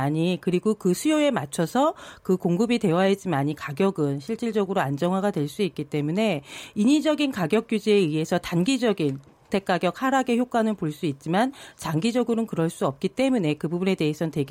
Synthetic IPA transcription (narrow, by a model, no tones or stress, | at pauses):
aɲikɯɾiɡokɯsʰujoe̞mat͡ɕʰʌsʰʌkɯkoŋɡɯbite̞waɦed͡ʑimaɲikaɡjʌɡɯnɕʰiɭt͡ɕ͈iɭd͡ʑʌɡɯɾoand͡ʑʌŋɦwaɡadwe̞ɭs͈uit̚k͈it͈e̞mune̞iɲid͡ʑʌɡinkaɡjʌk̚k͈jud͡ʑieie̞sʰʌtanɡid͡ʑʌɡin | tʰe̞k̚k͈aɡjʌk̚haɾaɡe̞çjok͈anɯnpoɭs͈uit̚t͡ɕ͈imant͡ɕaŋɡid͡ʑʌɡɯɾonkɯɾʌɭs͈uʌp̚k͈it͈e̞mune̞kɯbubune̞de̞ɦesʰʌte̞ɡ